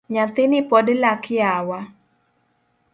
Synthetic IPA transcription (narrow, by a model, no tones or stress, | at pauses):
ɲat̪ɪnɪpɔdlakɪawa